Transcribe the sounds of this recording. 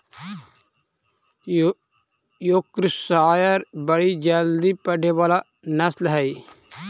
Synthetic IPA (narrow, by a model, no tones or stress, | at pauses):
jokɾsaːjəɾbəɽid͡ʒəld̪ipəɖʱeʋaːla | nɐslɦɛi